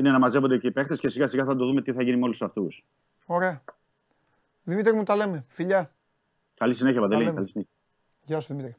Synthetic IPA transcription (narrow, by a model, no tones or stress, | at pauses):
inenɐmɐze̞vond̪eceipe̞xt̪escesiɣɐsiɣɐθɐd̪oðume̞t̪iθɐʝinimolusɐft̪us | oɾeɐ | ðimit̪ɾimut̪ɐle̞mefiʎɐ | kɐlisine̞çiɐpɐnd̪elikɐlisineçɐ | ʝɐsuðimit̪ɾi